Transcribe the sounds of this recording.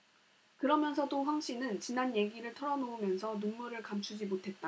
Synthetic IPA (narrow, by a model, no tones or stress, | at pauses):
kɯɾʌmjʌnsʰʌdoɸwaŋɕ͈inɯnt͡ɕinanje̞ɡiɾɯɭtʰʌɾʌnoumjʌnsʰʌnunmuɾɯɭkamt͡ɕʰud͡ʑimotʰe̞t̚t͈a